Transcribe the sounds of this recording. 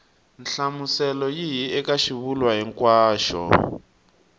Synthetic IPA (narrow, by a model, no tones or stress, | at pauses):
nɬamusɛlɔjiɦiɛkaʃiβulwaɦiŋkwaːʃɔ̰